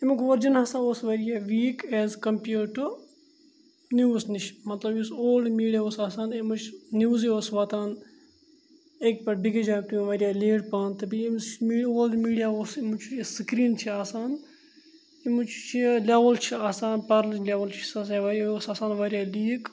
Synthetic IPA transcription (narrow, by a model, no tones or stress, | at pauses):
imukʋɐɾd͡ʒɐnhɐsãːoːsʋɐɾijaːʋiːkɛːzkɐmpjuːʈu | njuːsniʃmɐt̪lɐbjusoːlɖmiːɽiaoːsaːsaːnimut͡ʃʰnjuːzioːsʋaːt̪aːn | ek̚pɐʈ̚biɡed͡ʒaːk̚t̪uĩʋɐɾijaːleːɽpaːnt̪ɐbiimt͡ʃmiːoːld̪miːɽijaːoːsimut͡ʃʰuiskɾiːnt͡ʃʰiaːsaːn | imut͡ʃʰt͡ʃʰileʋɐlt͡ʃʰiaːsaːnpɐɾlɐlʲeːʋɐlt͡ʃʰi̥sɐseʋɐɾoːsaːsaːnʋɐɾijaːliːk